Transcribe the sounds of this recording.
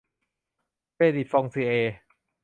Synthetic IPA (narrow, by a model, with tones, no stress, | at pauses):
peː˧di˨˩fɔ˧ŋsiː˧ʔeː˧